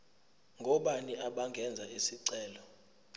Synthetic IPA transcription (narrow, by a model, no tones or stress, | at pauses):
ŋɡʱɔɓaniʔaɓaŋɡʱɛnd͡zʱaisiǀɛːlɔ